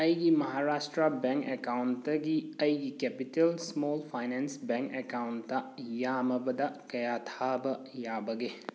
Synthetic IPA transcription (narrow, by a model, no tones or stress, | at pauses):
ɐjɡimɐɦaɾastɾɐbeŋkekawnɐɡiɐjɡikepitelsmolpʰajnensbeŋkekawntːɐjamɐbɐdɐkɐjatʰabɐjabɐɡe